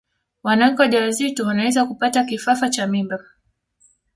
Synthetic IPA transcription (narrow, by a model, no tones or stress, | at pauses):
wanaŋ̩kɔʄawazituwanawɛzakupatakifafat͡ʃamimba